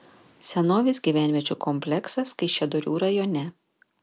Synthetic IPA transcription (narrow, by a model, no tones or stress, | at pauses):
sʲɛnoːʋʲɪsʲɡʲiːʋʲæːˑnʲʋʲiɛt͡ʃʲuːkʰɔmʲpʲlʲɛksɐskɐɪʃʲɛd̪ɔɾʲuːɾɐjɔnʲɛ